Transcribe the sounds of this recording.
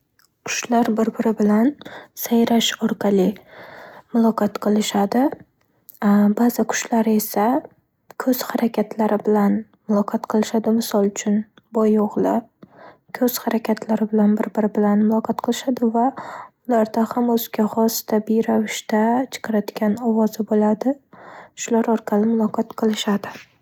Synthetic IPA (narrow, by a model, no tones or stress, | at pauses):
kʰʊ̥ʃlaɾbɪɾbɪɾɪbɪlansajɾaʃɒɾqʰɑlˠɪ | mʊlˠɒqʰɑt̪qʰɨlˠɪʃad̪ɪ | bazɪkʰʊ̥ʃlaɾe̞sa | kʰɵz̥haɾakʲʰat̪ʰlaɾɪbɪlan | mʊlˠɒqʰɑt̪qʰɨlˠɪʃad̪ɪmɪsɒlˠʊt͡ʃʰʊn | bɒjoʁlˠɪ | kʰɵz̥haɾakʲʰat̪ʰlaɾɪbɪlanbɪɾbɪɾɪbɪlanmʊlˠɒqʰɒt̪qʰɨlˠɪʃad̪ɪvaʊlaɾd̪ahamɵzɡʲahɒst̪abɪɾavɪʃt̪at͡ʃʰɨ̥qʰɨɾad̪ɪɡʲanɒwɒzɪbolad̪ɪʃʊlaɾɒɾqʰɑlɪmʊlˠɒqʰɑt̪qʰɨlˠɪʃad̪ɪ